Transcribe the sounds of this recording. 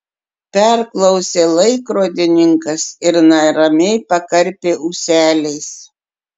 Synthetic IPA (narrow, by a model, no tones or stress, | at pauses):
pʲɛɾklˠɐʊsʲeːlˠɐɪkɾoːd̪ʲɪnʲɪŋkɐsɪɾnɐɾɐmʲɛɪpɐkɐɾʲpʲeːʊsʲæːlʲɛɪs